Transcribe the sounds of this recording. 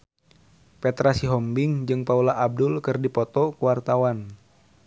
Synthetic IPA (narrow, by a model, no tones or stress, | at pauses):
pɛt̪ɾasiɦɔmbɪŋd͡ʒɨŋpaulaʔːb̚dʊlkɨrdipɔt̪ɔkuwart̪awan